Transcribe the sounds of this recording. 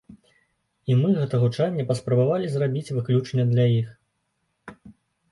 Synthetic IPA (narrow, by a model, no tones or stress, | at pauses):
imɨɣɛt̪ɐɣut͡ʂanʲːɛpɐspɾɐbavalʲizrabʲit͡sʲvɨklʲut͡ʂnʲɛd̪lʲajix